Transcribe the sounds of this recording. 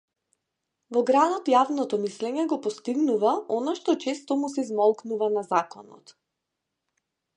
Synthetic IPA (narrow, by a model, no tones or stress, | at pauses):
vɔɡɾad̪ɔt̪javnɔt̪ɔmislɛɲɛɡɔpɔst̪iɡnuvaɔnaʃt̪ɔt͡ʃɛst̪ɔmusɛizmɔlˠknuvanazakɔnɔ̰t̪